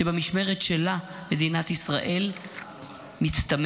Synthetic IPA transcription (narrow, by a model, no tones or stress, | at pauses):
ebemiʃme̞ʁetʃela | me̞d̪inat̪isʁa̰ʔe̞l | mit͡st̪am